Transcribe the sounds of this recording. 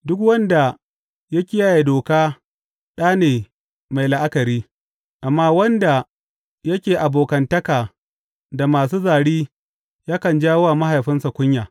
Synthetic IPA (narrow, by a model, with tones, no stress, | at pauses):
dʊ˦kwɐ˦nda˨ | jɐ˦kʲɪ˦ja˦ja˨doː˨kaː˦ | ɗaː˦neː˨ | ma˨jlɪ˦ʔa˦kɐ˨ɾiː˦ | ʔa˨mːaː˦wɐ˦nda˨ | jɐ˦kʲeː˨ʔa˨boː˨kɐ˨ntɐ˦kaː˨ | da˨maː˨s̬uː˦zaː˨ɽiː˦ | jaː˦kɐ˨nd͡ʒaː˦wwa˨ma˦ɦa˨jɸɪ˦nsa˨kʷʊ˦ɲjaː˨